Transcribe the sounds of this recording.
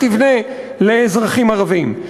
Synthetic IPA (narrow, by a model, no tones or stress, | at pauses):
tivne | leːzʁaχimaʁavim